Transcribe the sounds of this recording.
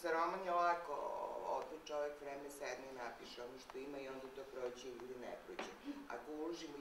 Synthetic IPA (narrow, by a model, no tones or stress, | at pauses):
saɾomanjelako̰ot̪ot͡ʃoʋekʋɾeːmɛsɛd̪nɛnapiʃeonoʃt̪oimaionit̪oːpɾoːt͡ɕeiɡud̪enɛ̰pɾoːt͡ɕea̰kouloʒimo